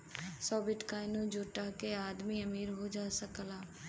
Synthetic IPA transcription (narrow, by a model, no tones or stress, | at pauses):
sɔːbɪʈkaːɪnũd͡ʒoːʈakeaːd̪miɐmiːɾɦod͡ʒaːsəkəlaː